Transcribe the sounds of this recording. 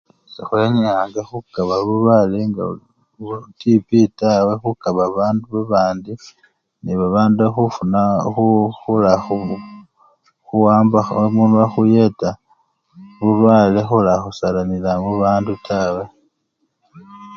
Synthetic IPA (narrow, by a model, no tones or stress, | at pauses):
sixweɲaːŋɡaxukaβaβuβaleŋɡa̰ | tipitawexukaβaβaːnduβaβaːndi | niβaβaːnduaxufunaxuxulaxu | xuwaːmbaxmunaxuje̞ta | βuβalexulaxusalamilamuβaːndutʰawe̞